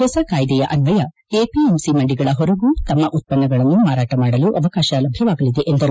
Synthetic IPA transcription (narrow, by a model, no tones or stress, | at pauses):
ɦɔːsɐkaːjd̪ɛjɐʔɐnʋɐjɐ | eːpiemsimɐɳɖiɡɐɭɐɦoɾɐɡuːt̪ɐmːɐʔut̪̚pɐnːɐɡɐɭɐnːumaːɾaːʈɐmaːɽɐluʔɐʋɐkaːʃɐlɐbʱjɐʋaːɡɐlid̪e̞ʔend̪ɐɾu